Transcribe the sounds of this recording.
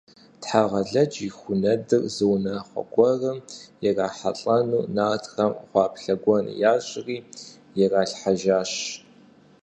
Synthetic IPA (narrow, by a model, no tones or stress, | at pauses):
tħaːʁɐɮɐd͡ʒixʷʊnɐdɨrzɨwnɐχʷɔ̰ɡʷɔrɐmjɛraːħa̰ɬʼɐnuːnaːtʰxɐmχʷɑːpʰɬɐɡʷɔn̰jaːɕʼriː | jɛraːɬħaʒaːɕ